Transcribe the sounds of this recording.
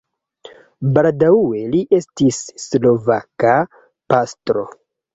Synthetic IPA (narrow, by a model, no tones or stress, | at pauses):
baldaue̞liʔe̞stisːlo̞vaka | pastɾo̞